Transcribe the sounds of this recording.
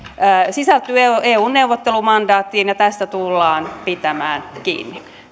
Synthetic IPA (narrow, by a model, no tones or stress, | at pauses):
sisælt̪yːeeːuːnneuʋot̪ːelumɑndɑːt̪ːiːnjɑt̪æst̪æt̪ulːɑːnpit̪æmæːnkḭːnːi